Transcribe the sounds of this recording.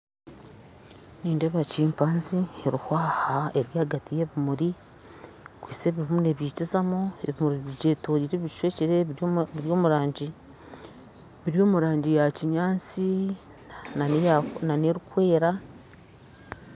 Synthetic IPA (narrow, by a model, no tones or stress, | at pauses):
niːndeβaciːmpaːnzieɾuhwaːhaeɾjaːɡatijeβimuɾi | kwiːse̞βiβumune̞βjiːcizamoeβimuɾiβiɟetoːɾiɾeβi̥ʃweːciɾeiɾjo̞ːmuɾaːɲɟi | βiɾjo̞ːmuɾaːɲɟijaciɲaːnt͡si | naneɾukwe̞ːɾa